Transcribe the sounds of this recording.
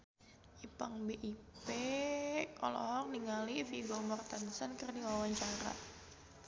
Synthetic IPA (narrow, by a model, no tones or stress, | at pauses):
ʔipaŋbeʔipe | kɔ̰lɔ̰ɦɔk̚niŋalifiɡɔmɔrt̪ansənkɨrniwawaɲt͡ʃaɾa̰